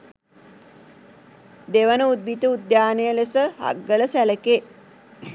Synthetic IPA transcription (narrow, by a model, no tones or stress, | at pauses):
d̪eʋənəud̪̚bit̪əud̪jaːnejəlesəha̰ɡːələsæləke